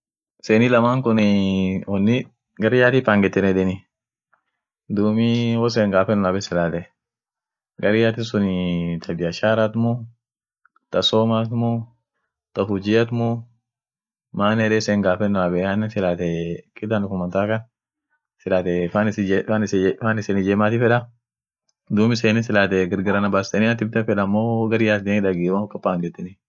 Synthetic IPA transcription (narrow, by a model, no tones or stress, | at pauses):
seːnilɐmaːŋkʊnɪɔnːɪ | ɡɐɾɪjaːt̪ifaŋɡɛt̪ːɛnɛᶑɛnɪ | d̪uːmiwɔs̬ɛːŋɡaːfɛnnabɛsɪlaːt̪ɛ | ɡɐɾɪjaːt̪ɪsʊnit̪ʰɐbɪɐʃaːɾat̪mɔ | t̪ɐsoːmaːt̪mɔ | t̪ɐfʊd͡ʒɪjɐt̪mɔ | maːnɛɾɛseːŋɡaːfɛnːʊaːbɛanːɪnsɪlaːt̪ɛkʼɪd̪anʊkʊmɐnt̪aːkɐn | sɪlaːt̪ɛfaːnɪsanɪsfaːnɪsenɪd͡ʒeːmaːt̪ɪfɛᶑɐ | d̪uːmɪseːnɪsɪlaːt̪̬ɛɡɪɾɡɐɾɐnɐbaːst̪ɛnɪat̪ɪb̚t̪ɛfɛᶑɐmːoɡɐɾɪjaːt̪d̪ɪnɪᶑɐɡiːwakːɐpːaːŋɡɛt̪ːɪnɪ